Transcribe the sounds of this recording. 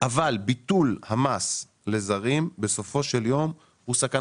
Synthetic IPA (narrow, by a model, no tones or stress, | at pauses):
ʔavalbit̪ulhamas | le̞zaʁimbe̞so̞fo̞ʃe̞ljo̞m | husaka